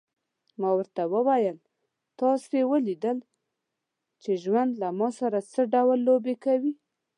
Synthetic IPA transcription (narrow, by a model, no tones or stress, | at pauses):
mɑwəɾt̪awəwajəl | t̪ɑswewəlid̪əl | t͡ʃeʒwand̪lamɑsaɾat͡səɖawlːobekawi